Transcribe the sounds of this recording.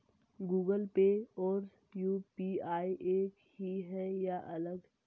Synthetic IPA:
ɡuːɡəlpeɔːɾ | juːpiaːiʔeːk | hiɦɛ̃jaʔɐləɡ

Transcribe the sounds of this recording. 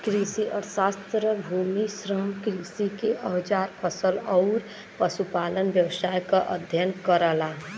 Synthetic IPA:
kɾisiʔɔ̰ɾsast̪ɾəbʱumisɾəmkɾisikeʔəwd͡ʒaɾpʰəsəlɔʊɾ | pəsupalənbjəwsajkəʔəd̪ʱjənkəɾəla

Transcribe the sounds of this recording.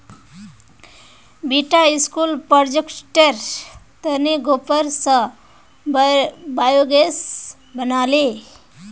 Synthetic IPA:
biʈaiskulpɾɔɾd͡ʒekʈəɾt̪əneɡopəɾsə | bajoɡes | bənaːle

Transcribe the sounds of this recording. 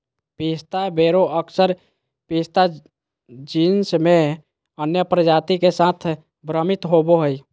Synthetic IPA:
pist̪abeːɾoəksəɾ | pist̪a | d͡ʒinsmẽ | ənjəpɾəd͡ʒaːt̪ikesat̪ʰ | bɾəmɪt̪ɦoboɦəi

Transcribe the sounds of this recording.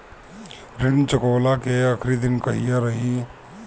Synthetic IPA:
ɾɪnt͡ʃəkoːlakeəkʰɾid̪ɪnkəɦijaɾəɦi

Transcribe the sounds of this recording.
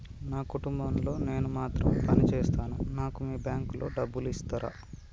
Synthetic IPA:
naːkuʈumbɐmlo̞ːne̞ːnumaːt̪ɾɐmpɐnit͡ʃeːst̪aːnunaːkumiːbjaːŋkulo̞̰ːɖɐbːulist̪ɐɾa̰ː

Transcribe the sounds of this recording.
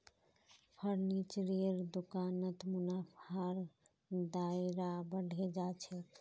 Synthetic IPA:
pʰəɾnit͡ʃɾiəɾd̪ukanət̪munapʰaɾ | d̪aiɾabəɖ̤ʱed͡ʒat͡ʃʰɛ

